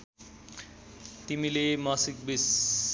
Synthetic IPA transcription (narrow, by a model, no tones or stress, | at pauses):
t̪imilemʌsikbis